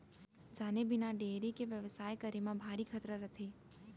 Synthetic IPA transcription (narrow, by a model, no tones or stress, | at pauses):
d͡ʒaːnebɪnaɖeːɾikeʋjəʋsaːjkəɾimãbʱaːɾikʰət̪ɾəɾət̪ʰeː